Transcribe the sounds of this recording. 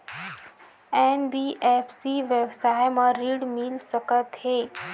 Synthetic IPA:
ɛːnbiʔepʰsiʋebsaːjmãɾiːɽmɪlsəkət̪heː

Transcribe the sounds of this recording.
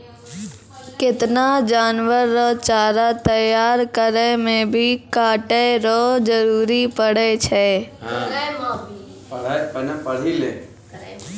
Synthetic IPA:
kɪt̪nad͡ʒaːnʋəɾːət͡ʃaːɾat̪əjaːɾkəɾemẽbʱikaːʈeɾoːd͡ʒəɾuːɾipəɽ̤et͡ʃʰeː | npəɽ̤ile

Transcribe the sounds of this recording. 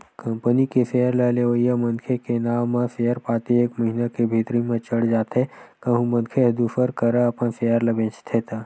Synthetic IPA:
kəmpənikesejəɾləleʋəjːamənkʰekenaːmːesejəɾpaːt̪ieːkmɐɦinakebʱiːt̪ɾimẽt͡ʃəɽd͡ʒaːt̪ekəɦũmə̃nkʰeɦəd̪upəɾkəɾəːpənsejəɾlɐbẽːt͡ʃt̪ʰet̪ʰa

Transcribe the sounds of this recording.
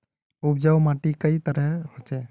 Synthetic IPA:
ubd͡ʒawmaʈikəjt̪əɾəɦot͡ʃɛ

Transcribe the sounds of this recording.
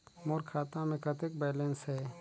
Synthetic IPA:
moːɾkʰaːt̪ãmẽkɐt̪ek̚bɛːlensɦɛː

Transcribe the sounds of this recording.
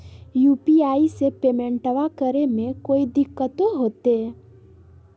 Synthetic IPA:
juːpiaːisepeːmẽɳʈəʋakəɾemẽkoːid̪ɪkːət̪oɦoːt̪eɛ

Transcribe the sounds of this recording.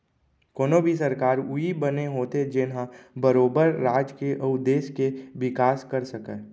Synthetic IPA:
koːnõbʱisɐɾkaːɾʊibəneɦoːt̪ed͡ʒɪnɦãbəɾoːbəɾːaːd͡ʒkeʔəʊd̪eːskeʋɪkaːskəɾsəkə

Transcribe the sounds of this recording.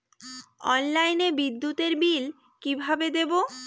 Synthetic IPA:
ɔ̰nlajnebid̪ːut̪eɾbil | kibʱabed̪ebo

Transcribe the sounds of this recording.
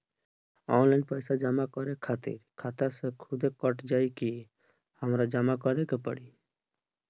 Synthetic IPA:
ɔnlaɪnpəjsad͡ʒamakɔɾekʰat̪ḭɾkʰat̪asekʰud̪ekɔʈd͡ʒajki | həmɾad͡ʒamakɔɾekepə̰ɽi

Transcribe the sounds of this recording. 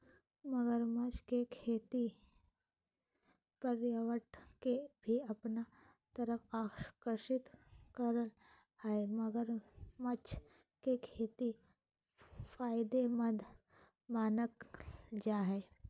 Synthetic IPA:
məɡəɾmət͡ʃkekʰeːt̪i | pəɾjəʋəʈkebʱiɐpna | t̪əɾəkaːkəɾʃɪt̪kəɾəl | hɛeməɡəɾmɐt͡ʃʰ | kekʰeːt̪i | faːɪd̪emɐd̪ʱ | maːnəkd͡ʒaːɦɛː

